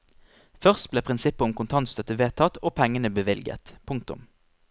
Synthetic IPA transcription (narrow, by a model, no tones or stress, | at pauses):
fœʁst̪̚bleːpʰʁɪnsɪpːəʊmkʰʊnt̪ʰɑnst̪œt̪ːəʋeːt̪ʰɑt̪ːoːpʰɛŋənəbəʋɪlɡə̰t̪pʰʊŋkt̪ʊ̰m